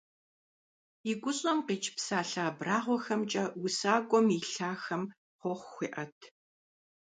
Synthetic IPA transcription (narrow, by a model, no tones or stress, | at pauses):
iɡʷʊɕʼɐmqeːt͡ʃʰʼpsaːɬaːbraːʁʷɔxɐmt͡ʃʼɐwʊsaːɡʷʼɔmiɬaːxɐm | χʷɔχʷxʷiːʔɐtʰ